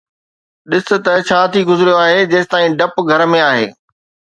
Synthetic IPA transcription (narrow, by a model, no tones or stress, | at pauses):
ɗɪsɪ̆t̪ɐt͡ɕʰaːt̪ʰiɡʊzɪɾijoaːɦed͡ʑɐːst̪aːĩɖɐpɡʱɐɾmẽaːɦḛː